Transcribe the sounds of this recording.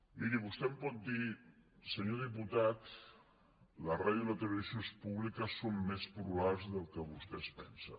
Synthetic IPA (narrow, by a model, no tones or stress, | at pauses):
miɾiβust̪ɛmpɔt̪̚d̪isəɲoðip̬ut̪at̪ | lərajələt̪ələβizjonspuβlikəsomːespɾuβalzðəlˠkəβust̪ɛspɛnsə